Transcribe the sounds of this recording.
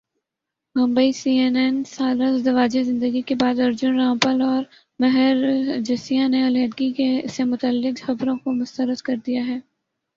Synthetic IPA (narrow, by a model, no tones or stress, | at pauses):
mʊ̃mbəisiːeːnɛnsaːləzd̪ɐʋaːd͡ʒezɪ̃nd̪əɡikebaːd̪ɐɾd͡ʒʊnɾãːmpəlɔːɾ | mɐɦɛɾd͡ʒɐsijãneɐlɛ̃ːd̪ɡikesemʊt̪əlːɪkxɐbɾõkomʊst̪əɾəd̪kɐɾd̪ijaɦɛː